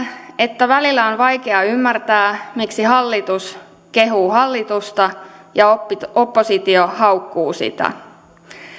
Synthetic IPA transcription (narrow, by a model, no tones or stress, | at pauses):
e̞t̪ːæʋælilːæonʋɑjkeɑymːært̪æːmiksiɦɑlːit̪us | ke̞ɦuːhɑlːit̪ust̪ɑjɑoopːosit̪iohɑwkːuːsḭt̪æ̰